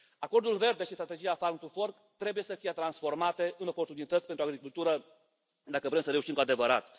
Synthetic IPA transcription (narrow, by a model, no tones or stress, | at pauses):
ako̞rd̪ulve̞rd̪e̞ʃist̪ɾat̪e̞d͡ʒiafaɾŋt̪ufo̞rk | t̪ɾe̞buje̞səfijet̪ɾansfo̞rmat̪e̞ʔɨno̞po̞rt̪unit̪ət̪sʲpenɾuaɡɾikult̪uɾə | d̪akəvɾe̞msəɾe̞uʃimkoad̪e̞vəɾat̪